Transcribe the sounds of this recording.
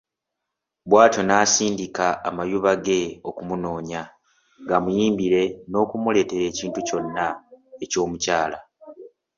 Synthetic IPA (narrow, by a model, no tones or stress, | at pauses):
bwaːto̞naːsiːndikaːmajuβaɡe̞o̞kumuno̞ːɲa | ŋɡamujiːmbiɾe̞no̞ːkumule̞ːte̞ɾe̞ːciːntuco̞nːae̞co̞ːmucaːla